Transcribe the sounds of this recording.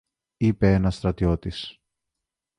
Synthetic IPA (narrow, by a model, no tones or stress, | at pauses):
ipe̞enɐst̪ɾɐt̪io̞t̪is